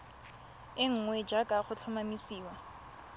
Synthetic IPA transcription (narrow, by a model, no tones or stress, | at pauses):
ɪŋ̩ŋwɛd͡ʒakʼaχʊt͡ɬʰʊmamisiːwa